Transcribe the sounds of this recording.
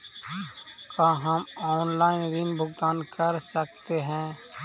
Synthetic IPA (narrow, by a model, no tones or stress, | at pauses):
kãːɦɐmɔːnlaːɪnɾinbʱʊɡt̪aːnkɐɾsəkt̪eɦɛ̃ː